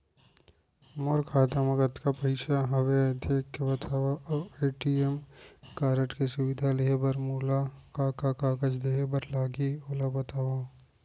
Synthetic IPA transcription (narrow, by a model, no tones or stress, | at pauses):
moɾkʰaːd̪əmɐɡət̪kapɐɪʃaɦɐʋed̪eːkːebɐt̪ʰaːʋaɐeːʈiemkaːɾəʈkesʊwɪd̪ʱaleɦebɐɾmuːlakakakaːkəd͡ʒd̪eɦebɐɾlaːɡioːlabɐt̪aːwa